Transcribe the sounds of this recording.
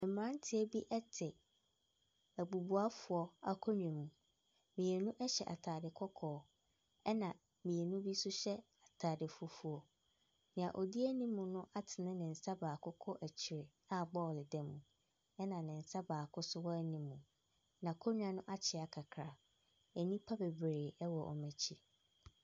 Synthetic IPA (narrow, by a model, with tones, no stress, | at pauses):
ɛ˨m˦ã˦n˦tʰɪ˦ɛ˦bi˦ʔɛ˦tʰɪ˨ | æ˨ɡ͡bu˨bu˨a˦fʊ˨ɔ˦a˦kʰɔ˦ɲᶣ˨ɛ̃˨mũ˨ | mĩ˨ɛ˨nũ˦ʔɛ˦ɕɛ˨ʔa̰˨tʰaː˨dɪ˨kʰɔ˦kʰɔː˨˦ | ɛ˦nã˨ | mĩ˨ɛ˨nũ˦bi˦sʊ˦ɕɛ˦ | a˨tʰaː˨dɪ˨fɔ˦fu˨˦ɔ˨ | nɪ̃˨ã˨ʔɔ˨di˦æ˦nĩ˦mʊ̃˨nʊ̃˦ʔa˦tʰɪ˨nɪ̃˦nɪ̃˨n̩˨sa˦baː˨kʰʊ˦kʰɔ˦ʔæ˨t͡ɕʰi˨ɾɪ˨ | a˦˨bɔː˦˨lɪ˨dɛ̃˦˨mːũ˨ | ɛ˦nã˨nɪ̃˨n̩˨sa˦baː˨kʰʊ˦sʊ˦wɔ˦æ˦nĩ˦mːũ˨ | nã˨kʰɔ˦ɲᶣ˦ã˨nʊ̃˦ʔa˦t͡ɕʰɪ˨a˨kʰa˨kʰɾa˨ | æ˨nĩ˦pʰa˦bɛ˨bɾeː˨ɛ˦wɔ˨ʔɔ̰˨mæ̃˨t͡ɕʰi˦